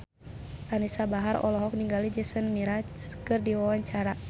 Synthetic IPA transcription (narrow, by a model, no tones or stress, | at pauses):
ʔanisabaɦaɾɔ̰lɔɦɔk̚niŋɡalid͡ʒɛsənmiɾakɨrdiwawaɲt͡ʃaɾa